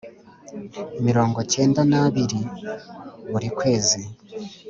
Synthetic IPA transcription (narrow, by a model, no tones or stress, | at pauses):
emiɾoːŋɡo̞ce̞ːndanaβiɾi | βuɾikwe̞ːzi